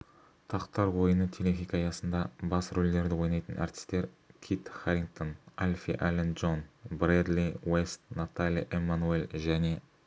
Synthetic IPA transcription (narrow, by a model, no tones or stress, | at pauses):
t̪ʰɑqt̪ɑɾwo̞jənət̪ʰelexʲijkɑjɑsənd̪ɑbɑsɾɵld̪e̞ɾd̪ɪwo̞jnɑjt̪ənʔɑ̰ɾt̪ɪ̥st̪e̞ɾ | kʲʰit̪χaɾʲiŋk̚t̪o̞nalʲfʲḭʔalenʒo̞nbɾed̪liwest̪nat̪alʲiʔemːanuelʒæne̞